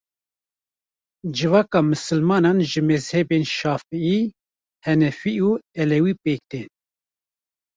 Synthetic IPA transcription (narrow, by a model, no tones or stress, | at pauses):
d͡ʒɨvɑːkɑːmɨsɨlmɑːnɑːnʒɨmɛzhɛbeːnʃɑːfɛiː | hɛnɛfiuːɛlɛwiːpeːk̚d̪en